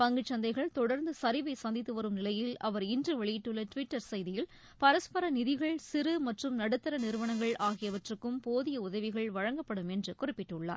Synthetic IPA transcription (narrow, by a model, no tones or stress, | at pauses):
pɐŋɡɯt͡ʃːɐnd̪ɐɪɣɐɭt̪ɔɽɐɾnd̪ɯsɐɾɪʋɐɪsɐnd̪ɪt̪ːɯʋɐɾɯmnɪlɐjɪlɐʋɐɾɪndrɯʋɐɭɪjɪʈːɯɭːɐʈʋɪʈːɐɾsɐjðɪjɪl | pɐɾɐspɐɾɐnɪðɪɣɐɭsɪɾɯmɐʈrɯmnɐɽɯt̪ːɐɾɐnɪɾɯʋɐnɐŋɡɐɭʔaːɣɪjɐʋɐʈrɯkːɯmpoːðɪjɐʊðɐʋɪɣɐɭʋɐɻɐŋɡɐpːɐɽɯmɛndrɯkʊrɪpːɪʈːɯɭːa̰ːɾ